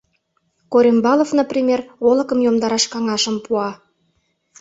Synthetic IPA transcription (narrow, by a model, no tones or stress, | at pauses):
koɾʲembɑlovnoprʲimʲerolɤ̆kəmjomd̪ɑɾɑʃkɑŋɑʃə̆mpuɑ